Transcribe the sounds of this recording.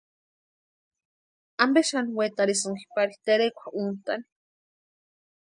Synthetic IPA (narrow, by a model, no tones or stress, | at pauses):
ambeʃanwet̪aɾisoŋki̥paɾit̪eɾekʷaunt̪an